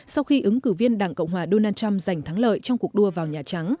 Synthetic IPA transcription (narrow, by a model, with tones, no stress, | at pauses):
sa˧wxi˧ʔɨ˨˦ŋkɨ˧˩vi˧ənɗaː˧˩ŋkə̰˧˨wŋ͡mɦwaː˨˩ɗo˧naː˧nt͡ɕa˧mza˨˩jŋ̟t̪ʰa˨˦ŋlə̰ː˧˨jt͡ɕɔ˧ŋ͡mku˨˩ək̚ɗu˧əvaː˨˩wɲaː˨˩t͡ɕa˨˦ŋ